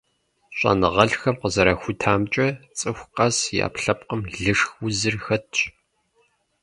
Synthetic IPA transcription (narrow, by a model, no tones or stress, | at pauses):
ɕʼɐ̰nɨʁɐɮxɐmqəzɐɾɐxʷʊtʰaːmt͡ʃʼɐt͡sʼɨxʷqɐsja̰ːpɬɐpqəmɮɨʂxwʷʊzɨrxɐtʰɕʼ